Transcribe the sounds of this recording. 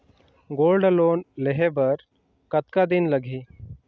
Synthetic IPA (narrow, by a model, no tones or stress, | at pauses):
ɡoːlɖloːnleɦebəɾ | kət̪kad̪inləɡʱiː